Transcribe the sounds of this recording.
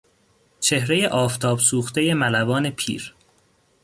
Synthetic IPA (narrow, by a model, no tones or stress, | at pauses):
t͡ʃʰe̞hɾeje̞ʔɒːft̪ʰɒːbsuːxt̪ʰe̞je̞mælæbɒːne̞pʰḭːɾ